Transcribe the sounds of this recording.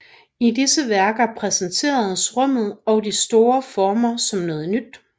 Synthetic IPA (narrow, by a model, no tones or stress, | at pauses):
idisəʋæɐɡ̥ɐpʰʁɛsənt͡sʰe̝̰ːɐð̩ˠsʁɔm̰ð̞̩ˠɒ̽ʊdisd̥o̝ːɐfɒːmɐsɒ̽mnɔ̽ːð̞̩ˠnyd̥